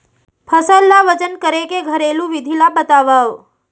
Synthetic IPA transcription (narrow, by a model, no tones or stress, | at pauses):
pʰəsəlːaʋət͡ʃənkəɾekeɡʱəɾelũʋid̪ʱilabət̪aʋaʋ